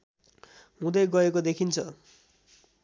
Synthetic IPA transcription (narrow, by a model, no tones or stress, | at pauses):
ɦũd̪ʌjɡʌekod̪ekʰint͡sʰʌ